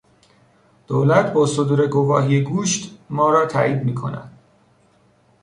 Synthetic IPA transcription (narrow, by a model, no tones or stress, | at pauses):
d̪̥olæt̪ʰbɒːso̞d̪uːɾe̞ɡo̞vɒːɦiːjeɡuːʃt̪mɒːɾɒːt̪ʰæ̰ʔiːd̪miːkʰo̞̰næ̰d̪̥